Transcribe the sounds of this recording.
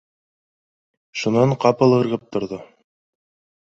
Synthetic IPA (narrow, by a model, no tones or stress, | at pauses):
ʃunɑɴqɑpɤ̆lˠɤ̆ɾʁɤp̚t̪ŏɾðo